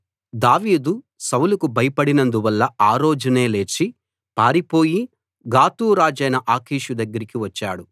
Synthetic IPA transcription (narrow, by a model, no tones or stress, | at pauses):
d̪aːʋiːd̪u | sɐwlukubʱɐjɐpɐɽinɐnd̪uʋɐlːɐaːɾoːd͡ʒɐne̞ːle̞ːt͡ʃi | paːɾipo̞ːji | ɡaːt̪uːɾaːd͡ʒɐjnɐʔaːkʰiːʃud̪ɐɡːɐɾikiʋɐt͡ʃːa̰ːɽu